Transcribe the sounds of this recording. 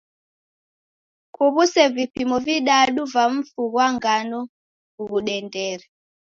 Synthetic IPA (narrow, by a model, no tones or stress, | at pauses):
kʰuβusɛvipimɔviɗaɗuvaɱ̩fuɣwaŋɡanɔ | kuβuɗɛndɛɾɛ